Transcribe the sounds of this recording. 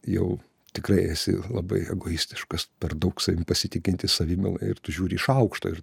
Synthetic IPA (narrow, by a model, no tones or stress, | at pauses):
jɛ̰ʊ | t̪ʲɪkɾɐɪɛsʲɪ̰lˠɐbɐ̰ɪɛ̰ɡoːjisʲt̪ʲɪ̥ʃkɐspʲɛrd̪ɐʊksɐʋʲɪmʲpɐsʲɪt̪ʲɪkʲɪnʲt̪ʲɪsɐʋʲɪmʲɪ̰lˠɐ̰ɪɪrt̪ʊʒʲuːɾʲɪɪʃɐʊkʃt̪o̰ːɪr